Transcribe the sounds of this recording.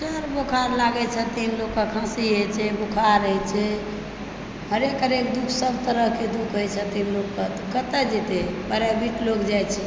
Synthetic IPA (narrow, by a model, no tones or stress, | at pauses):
səɾbokʰaɾlaɡɛt͡ʃʰɛt̪inlokːəkʰãsiɦət͡ʃʰɛbokʰaɾɦɛt͡ʃʰɛ | ɦəɾekəɾekd̪ukʰsəbt̪əɾəɦked̪ukʰɦojt͡ʃʰɛt̪inlokːət̪ɔkət̪ɛd͡ʒet̪ebəɾabʱiʈlokd͡ʒajt͡ʃʰɛ